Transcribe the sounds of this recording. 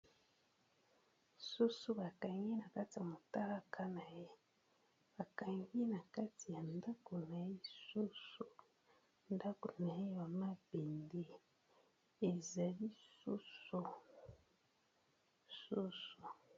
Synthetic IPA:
su˦su˦ba˨ka˨ŋɡi˦na˨ka˦ti˨ja˨mo˨ta˦la˦kʰa˦na˨je˦ | ba˨ka˨ŋɡi˦na˨ka˦ti˨ja˨nda˦ko˨na˨ji˦su˦su˨ | nda˦ko˨na˨je˦ja˨ma˦be˨nde˨ | e˨za˨li˦su˦su˨ | su˦su˨

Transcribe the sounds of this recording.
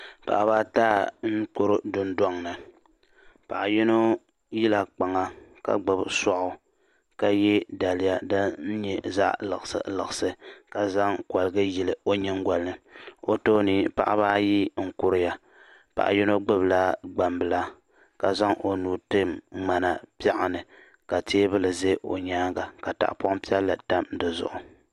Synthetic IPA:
pa̰˨ʔa˨baː˦taː˦n̩˦k͡pʊ˦ɾʊ˦dʊ˦n˦dɔ˦ŋnɨ˨ | pa̰˨ʔa˨jɛ˦no˦ | ji˦la˨k͡pa˨ŋa˦ka̰˦ɡ͡bɨ˨bsɔ˦ʔʊ˨ | ka˦jɛ˦da˨lɪ˦ja˦dɨ˦n̩˦ɲɛ˦za̰˦ʔlɨ̰˨ɣɨ˨sɨ̰˨lɨ˨ɣɨ˨sɨ˦ka˦za˦ŋkwa˨lɨ˨ɡɨ˦ji˨lɨ˨o˦ɲɛ˦ŋ˦ɡa˨lɨ˦o˦to˦niː˨pa̰˨ʔa˦baː˦ji˦ŋ̩˨kʊ˦ɾɪ˦ja˨ | pa̰˨ʔa̰˨jɛ˦no˦ɡ͡bɨ˦bla˦ɡ͡ba˨mbɨ˨la˦ | ka˨za˦ŋʔo˨nuː˨tɨ˦mŋ͡ma˨na˨pi˦a˦ʔa˨nɨ˨ | ka˨teː˦bɨ˦lɨ˨ze˦ʔo̰˨ɲaː˦ɡa˨ka˨ta̰˨ʔpa˦ŋpi˦ɛ˦lːa˨ta˦mdɨ˨zʊ̰˦˨ʔʊ˨

